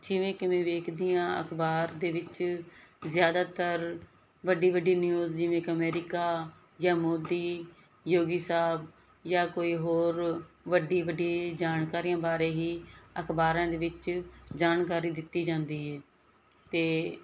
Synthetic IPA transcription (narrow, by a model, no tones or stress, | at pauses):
d͡ʒɪʋẽːkɪʋẽːʋeːkʰd̪ɪjãːə̰kʰbaːɾd̪eːʋɪt͡ʃ | zjaːd̪aːt̪əɾ | ʋəɖiːʋəɖiːnjuːzd͡ʒɪʋẽːkəmɛːɾɪkaː | jaːmoːd̪iː | joːɡiːsaːb | jaːkoːiːɦoːɾ | ʋəɖiːʋəɖːd͡ʒaːnkaːɾijãːbaːɾeːɦiːəkʰbaːɾãːd̪eːʋɪt͡ʃd͡ʒaːnk̬aːɾiːd̪ɪt̪ːiːd͡ʒãːnd̪iːɦɛː | t̪eː